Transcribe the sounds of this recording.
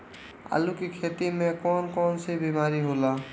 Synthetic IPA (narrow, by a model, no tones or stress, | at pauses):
a̰ːlukikʰet̪imẽkɔːnkɔːnsebimaːɾiɦoːlaː